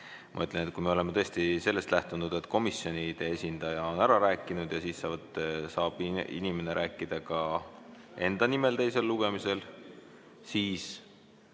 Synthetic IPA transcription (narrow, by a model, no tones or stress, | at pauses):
mɑ̰yt̪ːˑlʲenet̪̚kujme̞o̞le̞met̪ɤ̞est̪ise̞lːe̞st̪læht̪unud̪̥e̞t̪ːˑko̞misjo̞nid̪̥e̞e̞sʲind̪̥ɑjɑo̞næɾɑɾæːkːˑinud̪̥jɑsiːsːɑːvɑt̪ːsɑːb̥ḭnime̞ne̞ɾʔæːkːˑid̪̥ɑkɑ | e̞nd̪̥ɑnime̞lt̪e̞jse̞lːuɡ̥e̞mise̞l | siːs